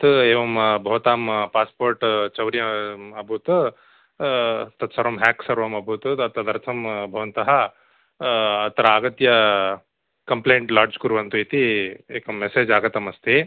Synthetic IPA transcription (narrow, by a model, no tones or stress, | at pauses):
t̪eːʋɐmbʱɐʋɐt̪aːmpaːspoːɾʈt͡ʃɐwɾjɐɐbʱut̪ | t̪ɐt̪sɐɾʋɐmɦɛːksɐɾʋɐmɐbʱut̪uɐt̪ɐd̪ɐɾt̪ʰɐmbʱɐʋɐnt̪ɐɦɐ | t̪ɐɾɐaːɡɐt̪jɐ | kɐmpleːɳʈlaːɾd͡ʒkuɾʋɐnt̪uit̪ieːkɐmːeseːd͡ʒaːɡɐt̪ɐmɐst̪i